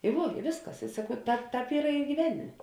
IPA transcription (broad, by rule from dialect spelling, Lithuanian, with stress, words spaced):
ɪ ˈʋuɔ ɪ ˈʋʲeːsˌkɐs ɪ sɐˈkɐʊ ˈtɑːp ˈtɑːp ˈiːrɐ ɪ ɡʲiːˈʋʲæːnʲɪmʲeː